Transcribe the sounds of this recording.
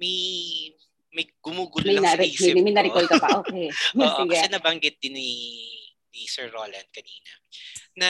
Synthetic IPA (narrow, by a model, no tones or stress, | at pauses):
mɐj | mɐjɡ̥ʊmuːɡʊlmɐj̪aɾmɐmɐjmɐjnɐɾɪkkolkɐpɐʔoːʔɛoːʔsɡaɛnɐbɐŋɡɪt̪̚d̪ɪnːi | nisɛɹːoːlɐnd̪̚kɐniːnɐ̰ | nɐ